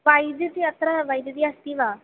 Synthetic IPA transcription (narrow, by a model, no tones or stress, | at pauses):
ʋajd̪jət͡s̪iət̪ɾaʋajd̪d̪iːast̪iːʋa